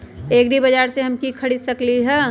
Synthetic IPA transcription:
eːɡɾibɐd͡ʒaːɾseɦɐmkikʰɐɽid̪sɐkliɦɛː

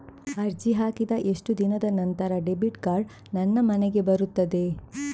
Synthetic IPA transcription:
ɐɾd͡ʒiɦaːkid̪ɐʔe̞ʂʈud̪inɐd̪ɐnɐnt̪ɐɾɐɖebiʈkaːɾɖ | nɐnːɐmɐneɡe̞bɐɾut̪ːɐd̪e̞

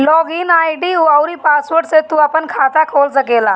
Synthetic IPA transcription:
lɔɡiːnajɖiuawɾiːpasʋəʈset̪ːuapəɳkʰat̪akʰolt͡səkela

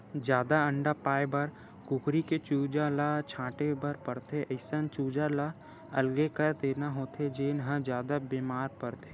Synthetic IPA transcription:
d͡ʒjaːd̪aə̃ɳɖapaːebəɾ | ɡʊɡɾiket͡ʃuːd͡ʒalat͡ʃʰãːʈebɐɾpɐɾt̪ʰeʔəɪsənt͡ʃuːd͡ʒala | ɐlɡekɐɾt̪eːnaɦoːt̪ʰed͡ʒeːnɦə̃d͡ʒjaːd̪abeːmaːɾpɐɾt̪ʰe

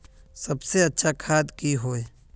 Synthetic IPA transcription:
sɐbseɐtːʃʰakʰaːd̪kiɦoːe

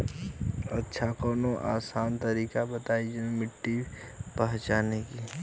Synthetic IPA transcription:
ɐtːʃʰakɔːnoʔa̰ːsaːnt̪əɾiːkabət̪aːid͡ʒənmɪʈːi | pɐɦt͡ʃaːneki

